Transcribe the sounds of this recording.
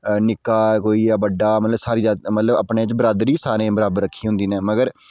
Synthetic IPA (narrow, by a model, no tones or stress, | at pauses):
nɪkːaːkoːiːaːbəɖaːmət̪ləbsaːɾiːzaːmət̪ləbə̰pɳeːt͡ʃbəɾaːd̪ɾiːsaːɾẽːbəɾaːbəɾːəkʰːiːɦʊ̃nd̪iːnẽːməɡəɾ